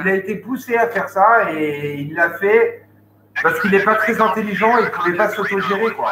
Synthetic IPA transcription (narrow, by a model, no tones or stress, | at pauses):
ilaet̪epuseafɛʁsaeilːafɛ | paʁsə̥kilɛpat̪χɛzɛ̃t̪eliʒɑ̃ekyvɛpasot̪oʒeʁokwa